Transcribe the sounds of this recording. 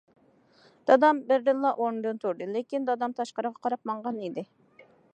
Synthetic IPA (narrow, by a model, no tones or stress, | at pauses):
d̪̥ɑd̪ɑmbɪɾd̪ɨnlˠɑʔoɾnd̪ɨnt̪ʰuɾd̪ɨlɪkʲind̪ɑd̪ɑmt̪ʰɑʃqɑɾɨʁɑqʰɑɾɑp̚mɑɴʁɑnid̪ɪ